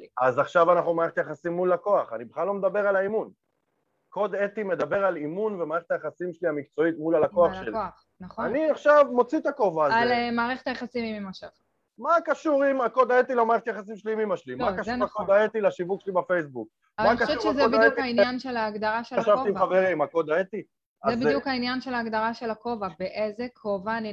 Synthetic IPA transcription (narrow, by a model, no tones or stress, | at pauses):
azaχʃavanaχnumaːʁeχetajaχasimːulako̞aχanibeχalo̞med̪abe̞ʁalaimun | ko̞d̪et̪ime̞d̪abe̞ʁalimunvemaːʁeχet̪ajaχasimʃeliamikt͡so̞it̪mulalako̞aχʃeli | naniaχʃavmo̞t͡sit̪akovaːzelmaːʁeχet̪ajaχasimimimaʃa | makaʃuʁimako̞d̪aet̪ilomaːʁeet̪ajaχas̬imʃeliimimaʃlimakaʃuakod̪aet̪ilaʃivukʃlibafejsbuk̚ | amaakaʃeuʃezebidukhainanʃelaːɡdaʁaʃelaʃavot̪imaʁeʁimako̞d̪aet̪i | aebidjukainjanʃe̞laːɡd̪aʁaʃe̞lako̞vabeʔezekʰo̞vaːni